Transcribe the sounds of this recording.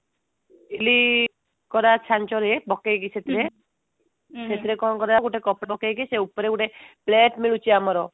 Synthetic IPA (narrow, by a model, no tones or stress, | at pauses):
ili | kɔɾat͡ʃʰant͡ʃɔɾebɔkeɡiset̪iɾe | set̪iɾekɔkɔɾaɡuʈekɔpɽbɔkeɡiseupɔɾeɡuʈepleʈmiɭut͡ʃiamɔɾɔ